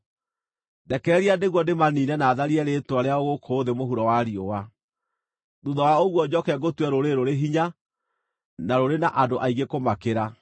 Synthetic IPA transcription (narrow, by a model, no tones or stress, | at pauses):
dɛkɛɾɛɾiadeɣwɔdemaniːnɛnaːðaɾiɛɾetwaɾeaoɣokʰoːðemoɦuɾɔwaɾiowa | ðuðɔwaoɣwɔd͡ʑɔkɛɡotwɛɾoɾeɾoɾeɦiɲa | naɾoɾenaʔadoʔaiɣekomakeɾa